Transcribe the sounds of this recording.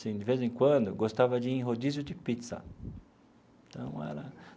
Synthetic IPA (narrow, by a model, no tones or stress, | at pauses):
sĩd͡ʒɪvezẽkwɐ̃d̪ʊɡost̪avɐd͡ʒɪĩɦod͡ʒizʊd͡ʒɪpit̪sɐ̰ | t̪ɐ̃w̃ɛ̰lɐ